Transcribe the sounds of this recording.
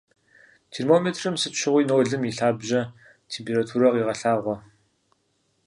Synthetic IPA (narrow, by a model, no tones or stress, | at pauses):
tʰermoːmetʰrɨmsɨɕʰɪʁʷiːnoːɮɨmiɬaːbʑɐ | tʰeːmpʰeːɾatʰuːɾɐʁiːʁɐɬaːʁʷɔ